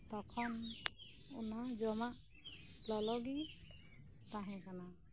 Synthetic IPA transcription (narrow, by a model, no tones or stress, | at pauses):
t̪ɔkʰɔn | unad͡ʒɔmaʔ | lɔlɔɡi | t̪aɦɛ̃kana